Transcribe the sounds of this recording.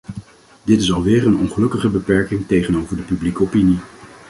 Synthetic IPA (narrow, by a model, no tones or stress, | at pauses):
dɪtɪsɑlˠʋɪːɹənɔnχəlɵkəχəbəpɛɹkɪŋtejχənowvəɹdəpyblikəopini